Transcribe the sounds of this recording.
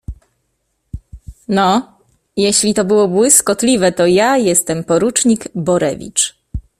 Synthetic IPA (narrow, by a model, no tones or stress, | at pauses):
nɔ | jɛɕlʲit̪ɔbɘwɔbwɘskɔt̪lʲivɛt̪ɔjajɛst̪ɛmpɔɾut͡ʂɲiɡbɔɾɛ̰vʲḭt͡ʂ